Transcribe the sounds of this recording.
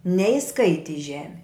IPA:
nʲɛɪˈskɐɪtʲɪ ɪ ˈʒʲæːmʲɪ

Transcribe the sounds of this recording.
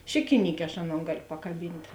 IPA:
ˈʃʲɪkʲɪˌnʲiːkʲeː ɐʃ ˈɑːˌnoːn ˈɡɑːlʲoː pɐkɐˈbʲiːnʲtʲ

